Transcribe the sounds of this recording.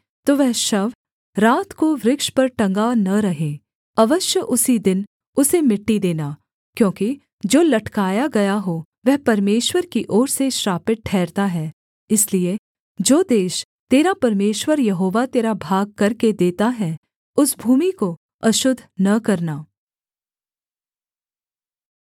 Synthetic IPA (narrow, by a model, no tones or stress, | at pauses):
t̪oːʋɛɦʃɐʋ | ɾaːt̪koʋɾɪkʃpɐɾʈɐ̃ŋɡanɐɾɐɦẽː | ɐʋəʃjəʔʊsid̪ɪn | ʊsemɪʈːid̪eːnaː | kjõːki | d͡ʒoːlɐʈkaːjaɡɐjaɦo | ʋɛɦpɐɾmeːʃwəɾkiʔɔːɾseʃɾaːpɪʈ̪̚ʈʰɛːɾt̪aɦɛː | ɪslie | d͡ʒoːd̪eːʃ | t̪eːɾapɐɾmeːʃwəɾjɐɦoːʋat̪eːɾabʱaːɡ̚kɐɾked̪eːt̪aɦɛ | ʊsbʱuːmiko | ɐʃʊd̪ʱːnɐkɐɾnaː